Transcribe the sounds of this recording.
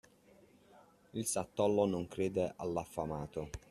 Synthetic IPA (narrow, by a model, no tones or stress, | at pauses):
ilsat̪ːɔlːonoŋkɾeːd̪eʔalːafːamaːt̪o